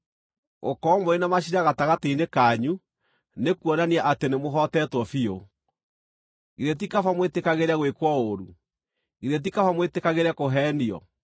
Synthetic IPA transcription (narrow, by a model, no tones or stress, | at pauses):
o̰kɔmoenamaɕiɾaɣataɣateinekaɲu | nekuɔnaniaʔatenemoɦɔtɛtwɔfio | iɾet̬ikafamwetekaɣeɾaɣwekwɔoɾu | iɾet̬ikafamwetekaɣeɾɛkoɦɛːniɔ̰